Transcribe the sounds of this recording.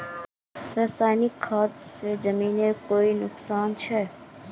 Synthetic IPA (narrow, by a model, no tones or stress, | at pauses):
ɾəsaːɪnɪkʰːaːt̪sed͡ʒəmiːnekoːinʊksaːnt͡ʃʰɛː